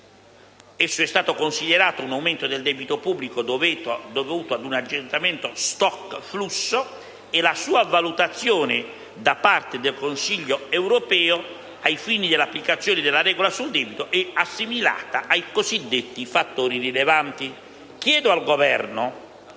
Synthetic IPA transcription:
esːʊɛst̪aːt̪okonsid̪ɛɾaːt̪ounawment̪od̪eld̪ɛːbit̪opubːlikod̪ovuːt̪oad̪unad͡ʒːent̪amɛnt̪ost̪ɔkːflusːo | ɪlasuːavalut̪at̪sːjɔːnɪ | d̪apart̪ed̪elkonsiʎːoɛwɾopɛːo | ajfiːnid̪ɪlːapːlikat̪sːjɔːnɪd̪ɪlːarɛːɡolasuld̪ɛːbit̪oʔɛasːimila̰ːt̪aʔajkozid̪ːet̪ːifat̪ːoːɾirilevant̪i | kjɛːd̪oalɡovɛrno

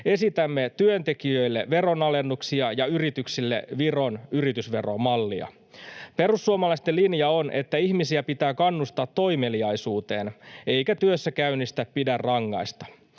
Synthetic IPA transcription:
e̞sit̪æmːet̪yønt̪e̞kiøjlːeʋe̞ɾo̞nɑle̞nːuksiɑjɑyrit̪yksilːḛʋiro̞nyrit̪ysʋe̞romɑlːiɑ̰ | pe̞rusːuomɑlɑist̪elinjɑo̞nʔe̞̰t̪ːæihmisiæpit̪æːkɑnːust̪ɑːt̪ːo̞jmeliɑjsuːt̪e̞ːne̞jkæt̪yøsːækæynːist̪æppidærːɑŋːɑ̰jst̪ɑ̥

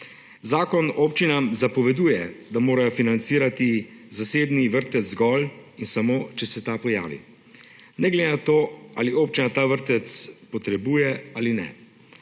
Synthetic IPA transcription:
zaːkɔnoːpt͡ʃinamzapɔʋɛd̪uːjɛd̪amoːɾajɔfinant̪siːɾat̪izaseːbniʋəɾt̪ɛt̪zzɡɔlinsamoːt͡ʃɛsɛt̪aːpɔja̰ːʋḭ | nɛɡlɛd̪enat̪oa̰ːlioːpt͡ʃinat̪aːʋəɾt̪ɛt̪spɔt̪ɾɛbuːjɛaːlinɛ̰

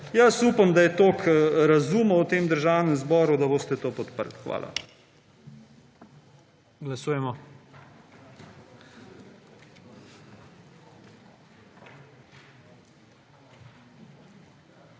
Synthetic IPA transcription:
jəsupamd̪ajɛt̪oːkʰɾazuːmɐwt̪eːmd̪əɾʒaːwnɛmzbɔːɾud̪aboːst̪ɛt̪oːpɔt̪pə̰ɾlxʋa̰ːlʔa̰ | ɡlasuːjɛmɔ

